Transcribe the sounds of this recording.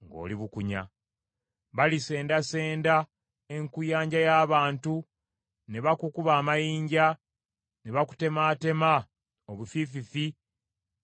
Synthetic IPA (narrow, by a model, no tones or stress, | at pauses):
ŋɡo̰liβukuɲa̰ | βalise̞ːndase̞ːnda | e̞ŋkujaːɲɟajaːβaːntu | ne̞βakukuβaːmajiːɲɟa | neβaku̥te̞maːte̞ma | oβufififi